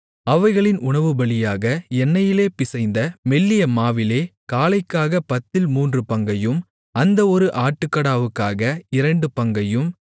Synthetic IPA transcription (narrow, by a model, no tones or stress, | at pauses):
ɐʋɐɪɣɐɭɪnʔʊɳɐʋɯbɐɭɪjaːɣɐɛnːɐjɪleːpɪsɐɪnd̪ɐmɛlːɪjɐmaːʋɪleːkaːlɐɪkːaːɣɐpɐt̪ːɪlmuːndrɯpɐŋɡɐjɯm | ɐnd̪ɐɔɾɯʔaːʈːɯkːɐɽaːʋɯkːaːɣɐɪɾɐɳɖɯpɐŋɡɐjɯm